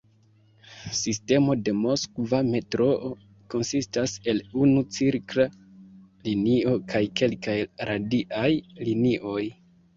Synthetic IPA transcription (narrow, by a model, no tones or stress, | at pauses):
siste̞mo̞de̞mo̞skvame̞tɾo̞ʔo | ko̞nsistase̞lunut͡siɾkla | linio̞kʰajke̞lkajɾʔadiʔajliniʔo̞j